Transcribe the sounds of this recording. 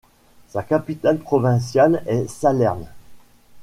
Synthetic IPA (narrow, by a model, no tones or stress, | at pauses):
sakapit̪alpχɔvɛ̃sjalɛsalɛʁn